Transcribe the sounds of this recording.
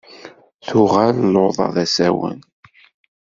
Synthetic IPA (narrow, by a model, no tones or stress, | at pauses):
θʊʁælloðˤɑ̰ðæsæwə̰n